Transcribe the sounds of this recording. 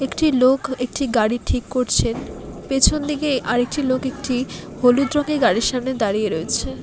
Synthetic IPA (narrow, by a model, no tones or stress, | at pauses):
ekʈilokek̚ʈiɡaɽiʈʰikːoɾt͡ɕʰenpet͡ɕʰond̪iɡeʔaɾek̚ʈilokek̚ʈi | holud̪ɾoŋɡeɾɡaɽiɾʃamned̪aɾieɾoet͡ɕʰe